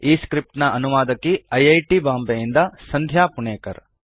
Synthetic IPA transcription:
iːskɾip̚ʈnɐʔɐnuʋaːd̪ɐkːiɐjɐjʈibaːmbejind̪ɐsɐnd̪ʱjaːpuɳeːkɐ̰ɾ

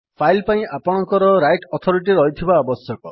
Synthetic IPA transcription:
pʰajlpaĩapɔɽ̃ɔŋkɔɾɔɾajʈɔt̪ʰɔɾiʈiɾɔɦit̪ʰibaːbɔsjɔkɔ

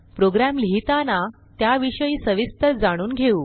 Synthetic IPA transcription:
pɾoɡɾæmliɦit̪ana | t̪jaʋiɕəiːsəʋist̪əɾd͡zaɽ̃uːnɡʱeuː

